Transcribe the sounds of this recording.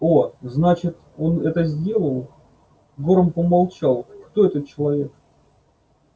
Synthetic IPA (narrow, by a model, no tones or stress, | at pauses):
o̞znat͡ɕɪt̪ | o̞nɛt̪əzʲdʲe̞lˠəlˠ | ɡo̞ɾəmpəmalˠt͡ɕalˠkt̪o̞ɛt̪ət̪̚t͡ɕɪlˠɐvʲe̞k